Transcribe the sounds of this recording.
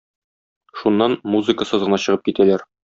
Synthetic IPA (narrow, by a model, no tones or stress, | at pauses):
ʃunːɑnmuzɨkəsɤzʁɤ̆nɑɕɤ̆ʁɤp̚kit̪ælæɾ